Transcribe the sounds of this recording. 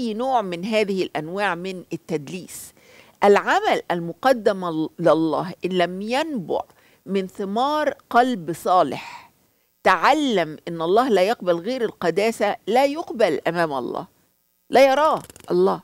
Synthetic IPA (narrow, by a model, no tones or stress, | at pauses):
ʔjːnoːʕmɪnɦæːðɪhɪlʔænwaːʕmɪnɪt̪ːæd̪liːs | ʔælʕamælʔælmʊqɑd̪ːɪmllˤːɑːhʔɪnlæmjænbʊ̰ʕ | mɪnθɪmɑːɾˤqɑlbsˤɑːlɪ̰ħ | t̪aʕalːæmʔɪnːʔɑlˤːɑːhlæːjɑqbalɣeːɾɪlqɑd̪æːsælæːjʊqbælʔæmæːmʔɑ̰lˤːɑ̰ːh | læːjɑɾˤɑːʔɑlˤːɑː